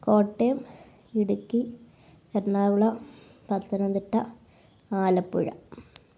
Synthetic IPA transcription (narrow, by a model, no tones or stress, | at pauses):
ko̞ːʈːejm | iɽukːi | ernaːʋuɭɐ | pɐt̪ːɐnɐnd̪iʈːɐ | aːlɐpːuɻɐ̰